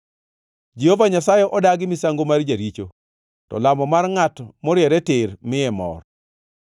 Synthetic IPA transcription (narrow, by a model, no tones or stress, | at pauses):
d͡ʒihovaɲasajɛʔɔdaɡɪmɪsaŋɡomard͡ʒaɾit͡ʃo | tɔ̰lamɔmarŋatmɔɾjɛɾɛtɪɾmɪjɛmɔ̰r